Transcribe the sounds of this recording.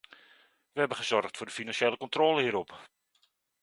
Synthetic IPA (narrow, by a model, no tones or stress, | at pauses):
ʋəhɛbənχəzɔrχtfʊːdəfinansʃeləkɔntroləhiːɾɔp